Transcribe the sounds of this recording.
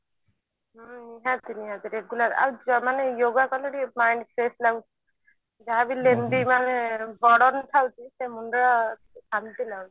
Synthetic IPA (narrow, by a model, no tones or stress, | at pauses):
niɦat̪iniɦat̪iɾeɡulat̪a̰ud͡ʒɔmanejoɡakɔleɽimajnɖkʰɾeslaɡut͡ʃʰi̥ | d͡ʒaɦabilend̪imanɛbɔɽɔnt̪ʰawt͡ʃʰisemundɾa | sʰamt̪ilaui̥